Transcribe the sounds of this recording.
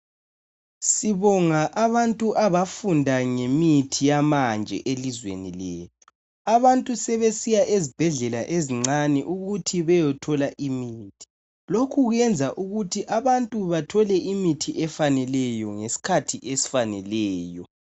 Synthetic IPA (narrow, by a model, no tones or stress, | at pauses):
siβɔŋaʔaβantʼuʔaβafundʱaŋemitʰijamand͡ʒʱɛ̰ʔelizwḛnileːtʰu̥ | aβantʼusɛβesijaʔezib̥ʱɛɮɛla̰ʔeziŋ͡ǀanɛʔuɣutʰiβɛjɔtʰɔlaʔimiːtʰi̥ | lokʰuɣwɛnd͡zʱaʔuɣutʰiʔaβantʼuβatʰɔlɛʔimitʰiʔɛfanɛlɛjɔŋesi̥kʰatʰiʔesi̥fanɛlɛːjɔ